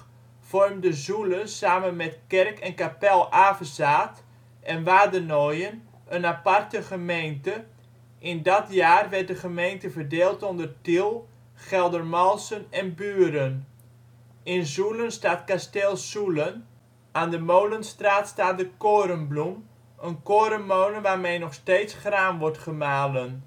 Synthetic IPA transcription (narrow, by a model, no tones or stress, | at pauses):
fɔrmdəzulənsaːmənmɛtkɛrkɛnkapɛlˠaːfəsaːt | ʔɛnʋaːdənojən | ənapartəχəmejntə | ʔɪndɔtjaːrʋɛrt̚dəχəmejntəfərdeːlˠtondərtilˠ | χɛlˠdərmɔlˠsənɛnbyəɾən | ɪnzulənstaːtkastɪlˠsulən | aːndəmowlənstraːtstaːdəkoːɾəmblum | ənkoːɾəmːowlənʋaːrmeːnɔχsteːsχraːmʋɔrtχəmaːlən